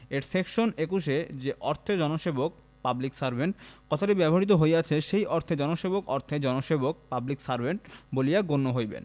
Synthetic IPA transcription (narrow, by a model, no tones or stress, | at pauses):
eɾsekʃonekuʃed͡ʑeʔɔɾt̪ʰed͡ʑɔnoʃebok̚ | pabliksaɾbʱeɳʈkɔt̪ʰaʈibɛboɦɾit̪̬oɦojat͡ɕʰeʃejʔɔɾt̪ʰed͡ʑɔnoʃebokɔɾt̪ʰed͡ʑɔnoʃebok̚pabliksaɾbʱeɳʈbolijaɡonːoɦojbḛn